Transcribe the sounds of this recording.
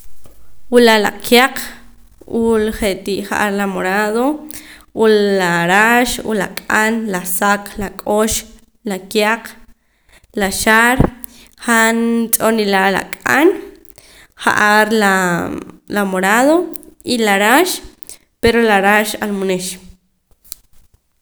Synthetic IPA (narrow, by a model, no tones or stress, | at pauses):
wulala̰kʰjaq | ʔulχeʔt̪iʔχa̰ʔaɾlamoɾaðoʔulːaɾaʃṵla̰kʼanlasaklakʼoʃ | lakjaq | laʃaɾ | χant͡ʃʼonilaʔla̰kʼan | χa̰ʔaɾla | lamoɾaðoilaɾaʃ | peɾolaɾaʃa̰lmoneʃ